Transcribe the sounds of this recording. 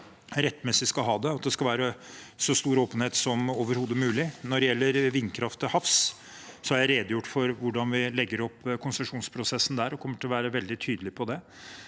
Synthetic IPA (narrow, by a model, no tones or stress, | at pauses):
ɾɛt̪ːmɛsɪskɑlɦɑːd̪ɛɑt̪̚d̪ɛskɑlʋæːɾəsɔst̪uːɾoːpənheːt̪sɔmoːʋəɾhuːd̪əmʉːlɪnɔɖɛjɛlːəɾʋɪnːkʰɾɑft̪əhɑfs | sɔhɑɾjæɪɾeːd̪jʊʈːfɔɾʋʊɖɑnʋɪlɛɡːəɾɔpːkʰʊnsəʂuːnspʰɾʊsɛsːn̩d̪æɾɔkʰɔmːəʈʰɪlɔʋæːɾəʋɛld̪ɪt̪ʰyːd̪əlɪpʰɔd̪ɛ